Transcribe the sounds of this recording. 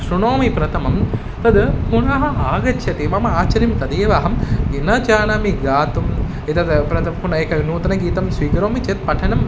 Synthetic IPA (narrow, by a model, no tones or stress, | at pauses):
ʃɾuɳoːmipɾɐt̪ʰɐmɐm | t̪ɐd̪puɳɐɦɐaːɡɐt͡ʃʰjɐt̪iʋɐmɐaːt͡ʃɐɾimt̪ɐd̪eːʋaɦɐminɐt͡ʃaːnaːmiɡaːt̪um | it̪ɐd̪pɾɐt̪ɐmpunɐeːkɐnuːt̪ɐnɐɡiːt̪ɐmsʋiːkɐɾoːmit͡ʃeːt̪̚pɐʈʰɐnɐm